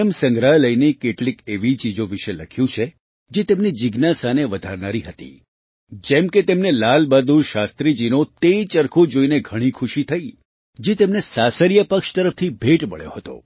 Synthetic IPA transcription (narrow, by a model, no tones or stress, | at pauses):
əmsə̃ŋɡɾaləjnekeʈlikeʋit͡ʃid͡ʒõʋiʃeləkʰjũt͡ʃʰe | d͡ʒet̪emnid͡ʒiɡnasaneʋəd̪ʱaɾnaɾiɦət̪ḭ | d͡ʒɛmket̪emnelalbad̪ʱuɾʃast̪ɾid͡ʒinot̪et͡ʃəɾkʰod͡ʒoineɡʱəɽ̃ikʰʊʃit̪ʰəi | d͡ʒet̪emnesasəɾjəpəkʃt̪əɾəft̪ʰibʱeʈməɭjo̰ɦət̪o̰